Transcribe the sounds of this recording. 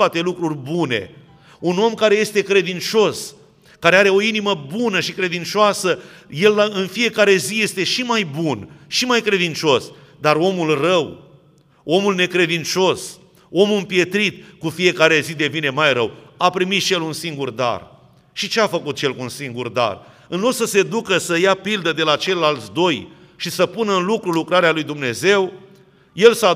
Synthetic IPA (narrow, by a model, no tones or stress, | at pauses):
at̪e̞lukɾurʲbune̞̰ | uno̞mkaɾe̞je̞st̪e̞kɾe̞d̪int͡ʃo̞s | kaɾe̞aɾe̞o̞iniməbunəʃikɾe̞d̪int͡ʃoasəje̞lːaɨnfije̞kaɾe̞zije̞st̪e̞ʃimajbunʃimajkɾe̞d̪int͡ʃo̞sd̪aɾo̞mulrəw | o̞mulne̞kɾe̞d̪int͡ʃo̞s | o̞muɨmpje̞t̪ɾit̪̚kufie̞kaɾe̞zid̪e̞vine̞majɾəwapɾimit̪ʃijelunsiŋɡurd̪a̰r | ʃit͡ʃeafəkut̪je̞lkuunsiŋɡurd̪a̰r | ɨnlo̞d̪̥səse̞d̪ukəsəjapild̪əd̪e̞lat͡ʃe̞lːalt̪sd̪o̞j | ʃisəpunəɨnlukɾulukɾaɾealujd̪umne̞ze̞w | je̞lsa